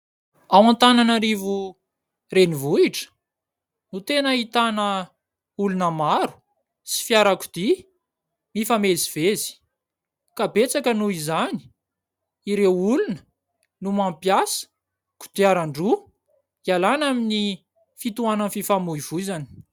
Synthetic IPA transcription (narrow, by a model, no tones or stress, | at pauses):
awãnt̪ananaɾivu | renivuiʈ͡ʂə̥ | nut̪enəit̪anə | ulunəmaɾu̥ | si̥fjaɾaku̥d̪̥i | mifameziv̥ezi̥ | kabet͡sakənuizani̥ | iɾewulunə̥ | numampjasə̥ | ku̥d̪̥iaɾaɳɖ͡ʐu | ialanamini | fit̪uanənfifamuiv̥uizani̥